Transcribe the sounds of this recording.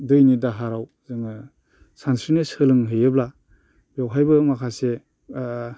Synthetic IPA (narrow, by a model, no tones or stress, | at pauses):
dɯjnidaɦaɾaw | zɯŋɯ | sansɾinɯsɯlɯŋɦɯjɯbla | bjawɦajbɯmakʰase